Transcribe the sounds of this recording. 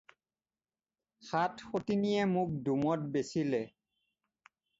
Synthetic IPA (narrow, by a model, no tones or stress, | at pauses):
xatxotinijɛmuk̚dumɔt̚besilɛ